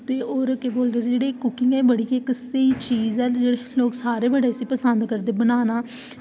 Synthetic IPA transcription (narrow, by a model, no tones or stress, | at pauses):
t̪eːoːɾkeboːld̪eːsid͡ʒeːɽeːkʊkɪ̃ŋɡɛːbəɽiːkeɪksəiːt͡ʃiːzɛːd͡ʒeːɽeloːksaːɾeːbəɖeːsiːpəsənd̪kəɾd̪eːbənaːnaː